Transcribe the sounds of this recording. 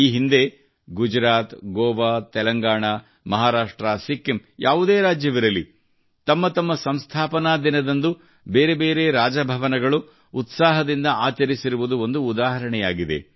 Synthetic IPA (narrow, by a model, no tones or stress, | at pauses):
iːɦind̪e̞ | ɡud͡ʒɾaːt̪ɡɔːʋaːt̪ɛlɐŋɡaːɳa | mɐɦaːɾaːʂʈɾɐsikːimjaːʋud̪eːɾaːd͡ʒjɐʋiɾɐli | t̪ɐmːɐt̪ɐmːɐsɐmst̪ʰaːpɐnaːd̪inɐd̪ɐnd̪u | beːɾe̞be̞ːɾe̞ɾaːd͡ʒɐbʱɐʋɐnɐɡɐɭu | ut̪saːɦɐd̪ind̪ɐaːt͡ʃɐɾisiɾuʋud̪uo̞nd̪uːd̪aːɦɐɾɐɳɛjaːɡid̪e̞̰